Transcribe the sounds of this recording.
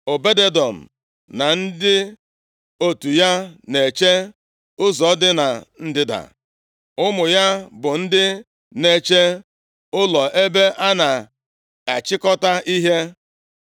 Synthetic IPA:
o˨be˦de˦dɔ˨m̩˨ | na˨n̩˦dɪ˦ | o˦tu˨ja˦ne˨t͡ʃe˦ | ʊ˦zɔ˨˦dɪ˦na˨n̩˦dɪ˦da̰˨ | ʊ˦mʊ˨ja˦bʊ˨n̩˦dɪ˦ | ne˨t͡ʃe˦ | ʊ˦lɔ˨ʔe˦be˦ʔa˦na˨ | a˨t͡ʃɪ˦kɔ˦ta˦ʔi˦ɦe˦

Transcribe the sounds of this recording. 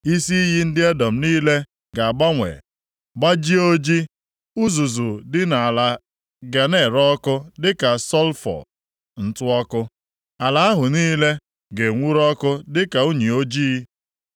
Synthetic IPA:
i˦si˦i˦ɦi˦n̩˦dɪ˦e˦dɔ˨m̩˨niː˦le˦ | ɡa˨a˨ɡ͡ba˦ŋʷḛ˨ | ɡ͡ba˦d͡ʒi˦o˦d͡ʒi˦ | u˦zu˨zu˨dɪ˦na˨a˨la˨ | ɡa˨ne˨ɾɔ˦kʊ˦dɪ˦ka˨sɔ˦lfɔ̰˨ | n̩˨tʊ˦ɔ˦kʊ˦ | a˨la˨a˦ɦʊ˨niː˦le˦ | ɡe˨ŋʷu˦ɾɔ˦kʊ˦dɪ˦ka˨u˦ɲi˨o˦d͡ʒiː˦

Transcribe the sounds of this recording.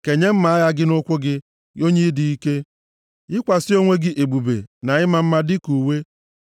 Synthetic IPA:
ke˨ɲe˦m̩˦ma˨a˦ja˦ɡɪ˦nʊ˦kʷʊ˦ɡɪ˦ | o˦ɲe˦dɪ˨i˦ke˦ | ɪ˦kʷa˨sɪ˦o˦ŋʷe˦ɡɪ˦ʔe˨ɡ͡bu˨bḛ˨na˨ɪ˦ma˦˨m̩˦ma˦dɪ˦ku˨we˦

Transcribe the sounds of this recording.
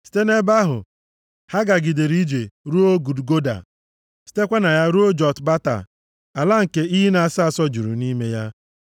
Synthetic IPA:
si̥˦te˦ne˦ba˦ɦʊ̰˨ | ha˦ɡa˨ɡi˨de˨ɾi˦d͡ʒe˨ɾu˦o˦ɡu˨dɡo˦da̰˨ | si̥˦te˦kʷa˦na˨ja˦ɾu˦o˦d͡ʒɔ˨tba˦ta̰˨ | a˨la˦ŋ̩˨ke˦i˦ɦi˦na˨a˦˨sa˦a˨sɔ˦d͡ʒu˨ɾṵ˨ni˦me˦ja˦

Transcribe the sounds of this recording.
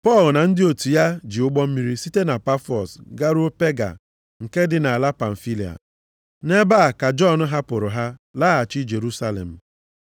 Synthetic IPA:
pɔ˦˨lna˨n̩˦dɪ˦o˨tu˨ja˦d͡ʒi˨ʊ˦ɡ͡bɔ˦m̩˦mi˦ɾi˦si˦te˦na˨pa˦fɔ˨sɡa˦ɾʊ˦o˦pe˦ɡa̰˨ | ŋ̩˨ke˦dɪ˨na˨a˨la˦pa˨n̩˨fi˦li˨a̰˨ | ne˦ba˦a˨ka˨d͡ʒɔ˦n̩˦ɦa˦pʊ˨ɾʊ˨ɦa˦la˦a˨t͡ʃɪ˦d͡ʒe˨ɾu˦sa˦lḛ˨m̩˨

